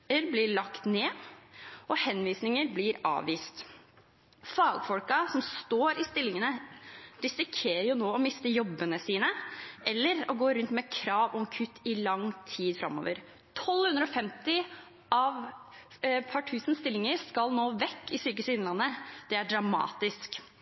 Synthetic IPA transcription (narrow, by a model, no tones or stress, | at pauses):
əɾblɪɭɑkt̪neː | ʔɔhɛnʋiːsnɪŋəɾblɪɾɑ̰ːʋʋiːst̪ | fɑːɡfɔlkɑsɔmst̪oːɾɪst̪ɪlːɪŋənəɾɪsɪkʰeːɾəjʊnoːɔmɪst̪əjɔbːənəsiːnəʔɛlːəɾɔɡoːɾʉnt̪mɛkʰɾɑːʋɔmkʰʉt̪ʰːɪlɑŋt̪ʰiːd̪fɾɑ̰mo̰ːʋəɾ | t̪ʰɔlhʉnd̪ɾəɔfɛmt̪ɪ | ʔɑʋ | pʰɑʈʰʉːsənst̪ɪlːɪŋəɾskɑlnoːʋɛkːɪsyːk̬əsɪnlɑnːəd̪̥ɛæɖɾɑmɑ̰ːt̪ɪsk